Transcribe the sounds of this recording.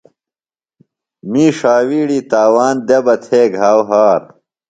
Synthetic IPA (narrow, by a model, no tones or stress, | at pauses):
miːʂaːwiːɽit̪aːwaːnd̪ebɐt̪ʰeːɡʱaːwɦaːɾ